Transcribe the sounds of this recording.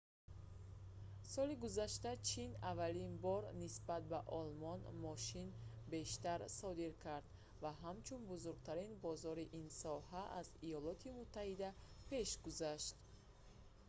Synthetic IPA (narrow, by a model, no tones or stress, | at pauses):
sɔliɡuzaʃt̪at͡ʃʰinavalinbɔɾnisbat̪̚baʔɔlmɔnmɔʃinbeʃt̪aɾsɔd̪iɾkʰaɾd̪ | vaɦamt͡ʃʰunbuzuɾɡt̪ʰaɾinbɔzɔɾiʔinsɔhaʔazijɔlɔt̪ʰimut̪ʰːahid̪apʰe̞ʃɡuzaʃt̪